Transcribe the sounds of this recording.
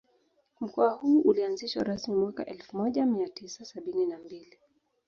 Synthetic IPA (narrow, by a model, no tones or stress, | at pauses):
m̩kɔahuːʔulianziʃwa̰ɾasmimwaka̰ʔɛlfumɔʄamiatisasaɓininambili